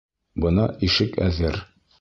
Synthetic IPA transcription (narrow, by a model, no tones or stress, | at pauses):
bɤ̆nɑʔiʃɘkæðɘɾ